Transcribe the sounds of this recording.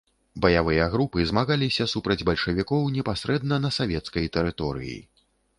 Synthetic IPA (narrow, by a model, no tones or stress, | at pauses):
bɐjavɨjɐɣɾupɨzmaɣalʲisʲɐsupɾɐd͡zʲbɐlʲʂɐvʲikɔwnʲɛpasɾɛd̪̚nɐnɐsavʲɛt̪skɐjt̪ɛɾɨt̪ɔɾɨ̰jḭ